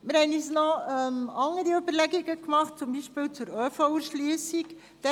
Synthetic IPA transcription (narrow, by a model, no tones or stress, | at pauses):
mɪɾhɛnysnɔɛmɑŋːəɾiybəɾlɛɡiɡəkmɑχt̚t͡sʊmbiːʃpɪːlt͡sʊɾœːfɔuʃlyəsik | d̪̥ɛ